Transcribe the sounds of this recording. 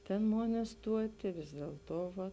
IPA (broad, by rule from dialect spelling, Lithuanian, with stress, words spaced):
ˈtʲeːn ˈmoːn ɪˈstuɔtʲɪ ʋʲɪs dʲiɛlˠˈtoː ˈʋɐ